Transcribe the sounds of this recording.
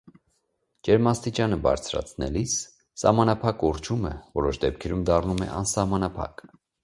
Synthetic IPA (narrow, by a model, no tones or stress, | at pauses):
d͡ʒɛɾmɑst̪it͡ʃɑnəbɑ̰ɾt͡sʰɾɑ̰t͡sʰnɛlisː | ɑ̰hmɑnɑpʰɑkɔɾt͡ʃʰuməvɔɾɔʃd̪ɛp̚kʰɛɾumd̪ɑrnumɛ̰ʔɑ̰nsɑhmɑnɑpʰɑ̰k